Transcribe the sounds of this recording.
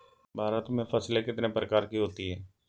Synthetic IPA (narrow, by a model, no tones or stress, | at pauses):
baːɾat̪mẽːpʰəsleːkɪt̪nẽːpəɾəkaːɾkiɦoːt̪iɦɛː